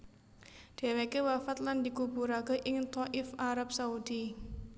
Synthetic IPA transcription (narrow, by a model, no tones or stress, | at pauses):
d̪̥ɛ̤wekewafat̪̚land̪̥i̤kubuɾakeʔɪŋt̪ɔʔɪfaɾap̚saud̪̥i